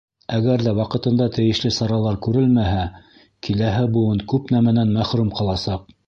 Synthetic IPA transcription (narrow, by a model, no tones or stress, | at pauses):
æɡæɾðæwɑqɤ̆t̪ɤ̆nd̪ɑt̪ɘ̆jɘ̆ʃlɘsɑɾɑlˠɑɾkʉɾɘlmæɦæ | kilæɦɘbŭwɤɴkʉpnæmænænmæχɾʉmqɑlˠɑsɑq̚